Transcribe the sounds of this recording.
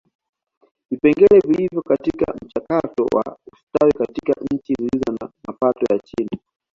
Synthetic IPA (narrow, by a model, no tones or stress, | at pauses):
vipɛŋɡɛlɛvilivjɔkatika̰m̩t͡ʃakatɔ̰wʔa̰ustawikatika̰ɲɲ̩t͡ʃizilizɔna̰mapatɔjat͡ʃini